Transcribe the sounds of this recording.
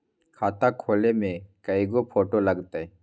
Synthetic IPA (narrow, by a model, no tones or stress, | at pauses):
kʰaːt̪akʰoːlemẽkəjɡopʰoːʈoləɡt̪ee